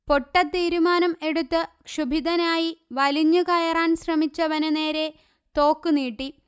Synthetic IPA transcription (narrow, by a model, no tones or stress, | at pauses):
po̞ʈːɐt̪ːiːɾumaːnɐme̞ɽut̪ːɨkʂubʱid̪ɐnaːjiʋɐliɲːukɐjɐraːnɕrɐmit͡ɕːɐʋɐnɨne̞ːɾe̞ | t̪o̞ːkːɨniːʈːi